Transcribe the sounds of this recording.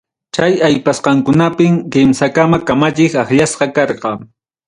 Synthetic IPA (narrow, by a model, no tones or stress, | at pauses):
t͡ʃajajpasqɑŋkʊnapɪmkɪmsakamakamat͡ʃɪkaχʎasqɑkɑɾqɑ